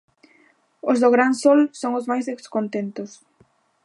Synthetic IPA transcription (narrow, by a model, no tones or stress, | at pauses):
ʊzðʊɣɾansɔlsoŋʊzmajzðekskont̪ent̪ʊs